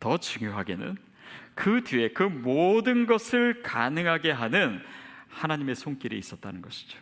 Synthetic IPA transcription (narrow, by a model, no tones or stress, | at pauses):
tʌt͡ɕuŋjoɦaɡe̞nɯ̰n | kɯdie̞kɯmodɯnɡʌsʰɯɭkanɯŋɦaɡe̞ɦanɯnhanaɲime̞sʰoŋk͈iɾḭis͈ʌt̚t͈anɯnɡʌɕʰi̥d͡ʑo̥